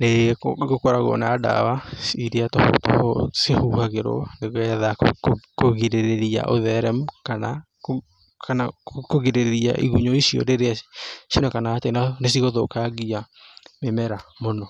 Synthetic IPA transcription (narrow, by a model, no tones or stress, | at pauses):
neɣokoɾaɣɔ̰naːda̰waiɾeatɔ̰tɔsehuhaɣeɾɔ̰neɣɛðaokoɣiɾeɾeɾia̰ʔoðɛɾɛmkana̰ | kanakoɣeɾeɾeɾia̰ʔḭɣuɲɔisiɔ̰ɾeɾeaʃjonekanaːtenanesiɣoðokaɣiamemɛɾamonɔ